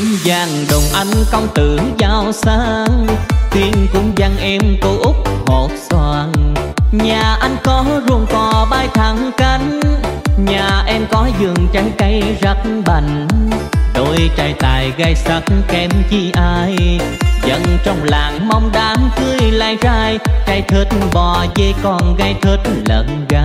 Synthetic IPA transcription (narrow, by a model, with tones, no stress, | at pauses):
zaː˨˩ŋɗo˨˩ŋ͡mʔa˧˩jŋ̟kɔ˧wŋ͡mt̪ɨ˨˩˨əzaː˧˩wsaː˧ŋt̪i˧əŋkʊ̰˧˥ŋ͡mza˧ŋʔɛ˧mko˨˦ʔʊ˦˥k͡p̚ho˨˩t̚swaː˧˩ŋɲaː˨˩ʔa˧jŋkɔ˨˦zu˨˩əŋkɔ˨˩ɓaː˧jt̪ʰa˨˩ŋka˧˦jŋ̟ɲaː˨˩ʔɛ˧mkɔ˨˦zɨ˨˩əŋt͡ɕaː˨˦jka˧˦jzə˦˥t̚n̩ɓə˨˧˩jŋ̟ | ɗo˧˩jt͡ɕaː˧˩jt̪aː˨˩jɣa˧jsə˨˦˥t̚kɛ˨˦mt͡ɕi˧˩ʔaː˧jzə̰˧˥nt͡ɕɔ˧wŋ͡mlaː˨˩ŋma˧wŋ͡mɗaː˨˦mkɨ˧əjlaː˧˩jzaː˧jt͡ɕa˧˩jt̪ʰɨ˨˥t̚ɓɔ˨˩zə˧jkɔ˧˩nɣa˧˩jt̪ʰɨ˧˩t̚lə̰˧˨nɣaː˧